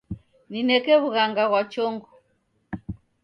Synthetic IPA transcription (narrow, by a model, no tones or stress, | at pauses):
ninɛkɛβuɣaŋɡaɣwat͡ʃɔŋɡɔ